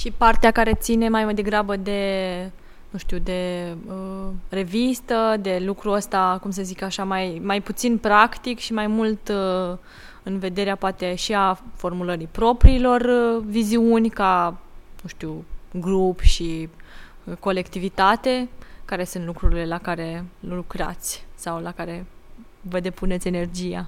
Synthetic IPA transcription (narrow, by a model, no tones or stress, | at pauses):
ʃipart̪eakaɾe̞t̪sine̞majmajd̪e̞ɡɾabəd̪e̞ | nũʃt̪iwd̪e̞əre̞vist̪əd̪e̞lukɾuəst̪akumsəzikaʃamajmajput̪sinpɾakt̪ikʃimajmult̪ | ɨnve̞d̪e̞ɾeapoat̪e̞ʃiafo̞rmuləɾipɾo̞pɾiːlo̞rviziunʲkanũʃt̪iwɡɾupʃi | ko̞le̞kt̪ivit̪at̪e̞kaɾe̞sunt̪lukɾuɾile̞lakaɾe̞llukɾa̰t̪sʲsawlakaɾe̞ | vəd̪e̞pune̞t̪sʲe̞ne̞rd͡ʒija̰